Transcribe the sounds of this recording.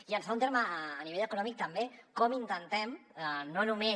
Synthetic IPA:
iənzfaunt̪eɾməːniβeʎəkunɔmik̚t̪əmbekɔmint̪ənt̪ɛmənonume

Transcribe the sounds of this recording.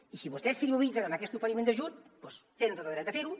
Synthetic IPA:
isiβust̪ɛsfiɾmeβinsaɾanakɛst̪ufəɾimend̪ɐʒut̪̚pɔst̪enent̪ot̪aðɾɛt̪ðəfeɾu

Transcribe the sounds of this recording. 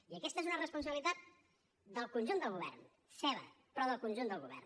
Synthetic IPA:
iəkɛst̪əezunərəspunsəβilit̪at̪̚ | d̪əlˠkunʲʒund̪əlˠɣuβɛ̰rn | sɛβə̰ | pɾɔðəlˠkunʲʒund̪əlˠɣuβɛ̰rn

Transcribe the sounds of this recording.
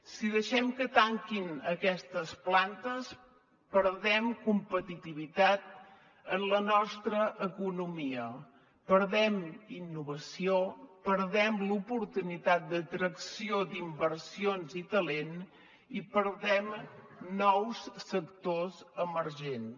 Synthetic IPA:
siðəʃɛmkət̪aŋkinəkɛst̪əsplant̪əs | pəɾðɛmkumpət̪it̪iβ̞it̪at̪̚ | ənlənɔst̪ɾəʔːkunumiə | pəɾðɛminːuβ̞əsiopəɾðɛmlupuɾt̪unit̪at̪̚d̪ət̪ɾəksiod̪imbəɾsionzit̪əlen | ipəɾðɛm | nɔwsːəkt̪ozəməɾʒen

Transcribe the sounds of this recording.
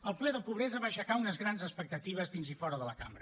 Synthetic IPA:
əlˠplɛðəpuβɾɛzəβaʃəkaunəzɣɾanzəspək̚t̪ət̪iβ̞əzðinzifɔɾəðələkambɾə

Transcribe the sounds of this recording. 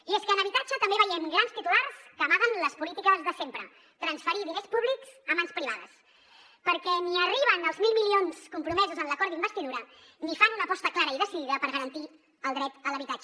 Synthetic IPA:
ieskəːnəβit̪ad͡ʒət̪əmbeβəjɛmɡɾanst̪it̪ularskəmaðənləspulit̪ikəzðəsempɾə̰ | t̪ɾənsfəɾiðinespuβlikz̥əmanspɾiβa̰ðə̰s | pəɾkɛniəriβ̞ənəlˠzmilˠmilionskumpɾumɛzuzənləkɔɾd̪imbəst̪iðuɾə | nifanunəpɔst̪əklaɾəiðəsiðiðəpəɾɣəɾənt̪i | əlˠd̪ɾɛt̪ələβit̪ad͡ʒ

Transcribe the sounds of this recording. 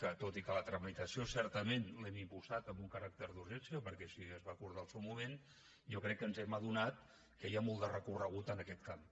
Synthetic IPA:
kət̪ot̪ikələt̪ɾəmit̪əsiosɛɾt̪əmenlɛmimpuzat̪əmbuŋkəɾak̚t̪əɾðuɾʒɛnsiəpəɾkɛsiəzβakuɾðaəlˠsɛwmumen | jokɾɛkːənzɛməð̞unat̪̚ | kəjamɔlˠd̪ərəkurəɣ̞ut̪ənəkɛt̪kam

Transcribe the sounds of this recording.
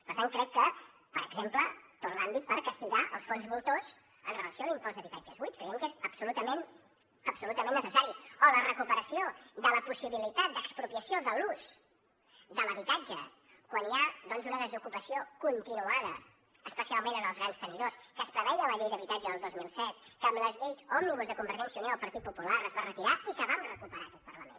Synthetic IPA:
pəɾt̪ãŋkɾɛkːə | pəɾəɡzemplət̪urnambit̪̚pəɾkəst̪iɣaʔəlˠsfonzβulˠt̪oz | ənrələsioalimpɔzðəβit̪ad͡ʒəzβujt̪̚kɾəjɛmkezəpsulut̪əmen | əpsulut̪əmẽnːəsəsaɾiəələrəkupəɾəsiod̪ələpusiβilit̪at̪̚d̪əkspɾupiəsioðəluz̥ | d̪ələβit̪ad͡ʒə | kwaniaðɔnzunəðəzukupəsiokunt̪inuaðə | əspəsialˠmẽnənəlˠzɣɾanst̪əniðoskəspɾəβɛʎələʎejðəβit̪ad͡ʒəðəlˠd̪ozmilˠsɛt̪kəːmləzʎeʎzɔmniβuzðəkumbəɾʒɛnsjiunjoalˠpəɾt̪it̪̚pupulaɾəzβarət̪iɾaikəβamrəkupəɾaːkɛt̪pəɾləmḛn

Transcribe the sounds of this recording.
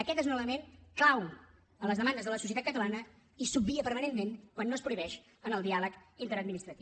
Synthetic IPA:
əkɛt̪ezunələmenklaw | ələzðəmand̪əzðələsus̬ət̪at̪kət̪əlanə | isub̚biəpəɾmənenmeŋkwanːoəspɾuiβɛʃ | ənəlˠd̪ialəkint̪əɾəd̪minist̪ɾət̪i

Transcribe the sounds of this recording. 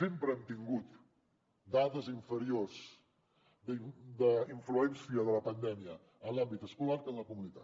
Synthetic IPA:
sempɾəɛmt̪iŋɡut̪ | d̪aðəziɱfəɾiorz | d̪d̪əiɱfluɛnsiəðələpənd̪ɛmiə | ənlambit̪əskulaɾkənləkumunit̪at̪

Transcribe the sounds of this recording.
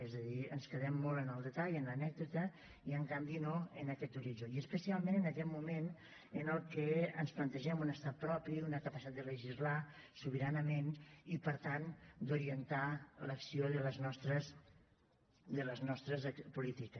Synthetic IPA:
ɛzəðiənskəð̞ɛmːolˠənəlˠd̪ət̪aʎənlənɛɡ̚d̪ut̪ə | iəŋkambinoənəkɛt̪uɾiʒoiəspəsialˠmẽnənəkɛt̪mumen | ənəlˠkəənsplənt̪əʒɛmunəst̪at̪̚pɾɔpiunəkəpəsit̪ad̪d̪ələʒizlasuβəɾanəmenipəɾt̪and̪uɾiənt̪aləksioðələznɔst̪ɾəs | d̪ələznɔst̪ɾəzpulit̪ikə

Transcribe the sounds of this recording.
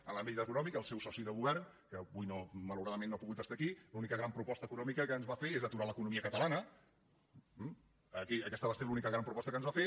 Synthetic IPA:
əlambit̪əkunɔmikəlˠsɛwsɔsiðəɣuβɛrn | kəβujnomələwɾaðəmẽnːopuɣut̪əst̪akilunikəɣɾampɾupɔst̪əːkunɔmikəkəːnzβafeezðət̪uɾaləkunumiəkət̪əlanə | əkiəkɛst̪əβaselunikəɣɾampɾupɔst̪əkənzβafe

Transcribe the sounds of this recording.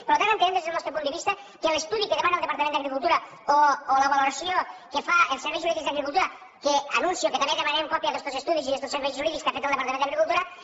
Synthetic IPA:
peɾlot̪ananp̪enemd̪ezelnɔst̪ɾopund̪eβist̪a | kelest̪uðikeðemanalˠd̪epaɾt̪amẽnd̪aɣɾikulˠt̪uɾa | oːlaβaloɾasjokefaelˠseɾβɛjzuɾiðikzd̪aɣɾikulˠt̪uɾa | keanũnsjoket̪ameðemanemkɔpjaðest̪osest̪uðisiðest̪oseɾβɛjsuɾiðikskafet̪ald̪epaɾt̪amẽnaɣɾikulˠt̪uɾa

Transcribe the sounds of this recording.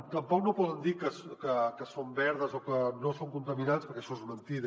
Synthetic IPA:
t̪əmpɔknopɔðənd̪ikəskəkəsombɛɾðəzokənosoŋkunt̪əminanspəɾkɛəʃɔezmənt̪ið

